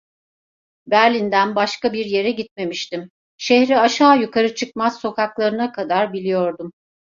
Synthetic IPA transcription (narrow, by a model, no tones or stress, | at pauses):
bæɾlʲind̪ænbaʃkabiɾje̞ɾɛɟit̪̚me̞miʃt̪im | ʃehɾiaʃaːjukʰaɾɯt͡ʃʰɯk̚maz̥so̞kʰaklˠaɾɯnakʰad̪aɾbilʲijo̞ɾd̪um